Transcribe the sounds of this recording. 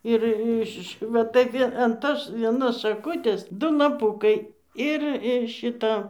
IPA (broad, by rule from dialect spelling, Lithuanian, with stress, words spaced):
ɪr ˈɪʃ ʋɐ ˈtɐɪ ʋʲiɛ ɐn ˈtoːs ʋʲiɛˈnoːs ʃɐˈkʊtʲeːs ˈdʊ lˠɐˈpʊkɐɪ ˈɪr ɪr ˈʃʲɪtɐ